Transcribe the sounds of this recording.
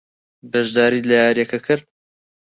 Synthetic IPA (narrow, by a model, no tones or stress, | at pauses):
bɐʒd̪aːɾiːlɐjaːɾjɐkɐkʰɨɾd̪